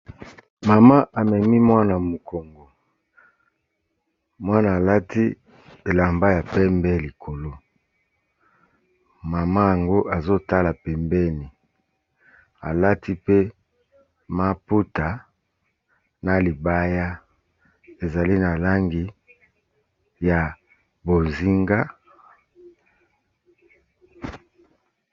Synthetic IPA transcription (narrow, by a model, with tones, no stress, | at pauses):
ma˨ma˦ʔa˨mɛ˨mi˦mwa˦na˨mo˨ko˨ŋɡo˨ | mwa˦naː˨la˦ti˦ | e˨la˨mba˦ja˨pɛ˦mbɛ˦li˨kʰo˨lo˦ | ma˨ma˦ja˨ŋɡo˦ʔa˨zo˦ta˦la˨pɛ˨mbɛ˦ni˨ | a˨la˦tʰi˦pe˦ | ma˦pu˦ta˨ | na˨li˨ba˦ja˦ | e˨za˨li˦na˨la˦ŋɡi˨ | ja˨ | bo˨zi˦ŋɡa˦